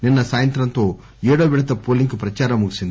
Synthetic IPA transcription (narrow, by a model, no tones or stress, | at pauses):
ninːɐsaːjɐnt̪ɾɐnt̪oː | eːɽoːʋiɽɐt̪ːɐpoːlːiŋkɯpɾɐt͡ʃaːɾɐmuɣisind̪